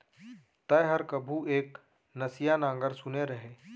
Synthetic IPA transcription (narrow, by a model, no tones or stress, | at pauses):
t̪əjɦəɾkɐbʱueːk | nɐsijanãːŋɡəɾsʊneɾɐɦeː